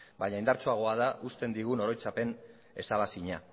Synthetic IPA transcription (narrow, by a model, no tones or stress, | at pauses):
baɲaind̪aɾt͡soaɣ̞o̞aðaʔust̪e̞nd̪iɣ̞uno̞ɾo̞jt͡sape̞n | e̞̰saβasiɲa